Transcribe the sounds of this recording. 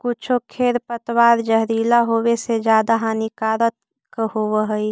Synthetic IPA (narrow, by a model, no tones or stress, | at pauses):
kʊt͡ʃʰokʰeːɾpət̪waːɾd͡ʒəɦɾiːlaɦoːwesed͡ʒjaːd̪aɦãnikaːɾət̪̚ | kəhowəɦəi